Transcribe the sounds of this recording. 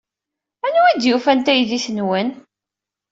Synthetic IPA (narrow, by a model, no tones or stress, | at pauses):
ænuid̪jufænt̪æjðiθənwən